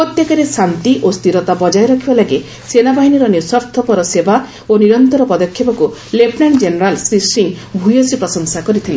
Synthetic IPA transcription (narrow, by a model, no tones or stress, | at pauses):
pɾɔt̪jekaɾesant̪iʔost̪iɾɔt̪abɔd͡ʒajɾɔkʰibalaɡe | senabaɦiniɾɔnisɔɾt̪ʰɔpɔɾɔsebʱa | oniɾɔnt̪ɔɾɔpɔd̪ɔkʰːjɔpɔkulepnaɳd͡ʒeneɾalsɾisɾiŋbʱujɔsipɾɔsɔŋsakɔɾit̪ʰili